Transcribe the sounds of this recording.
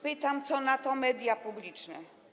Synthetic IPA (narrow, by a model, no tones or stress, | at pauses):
pɘt̪amt̪sɔnat̪ɔmɛd̪japublʲit͡ʂnɛ̰